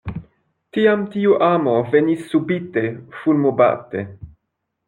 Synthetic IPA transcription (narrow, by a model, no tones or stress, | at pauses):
tiamtiuʔamo̞ve̞nisːubite̞fulmoba̰te̞̰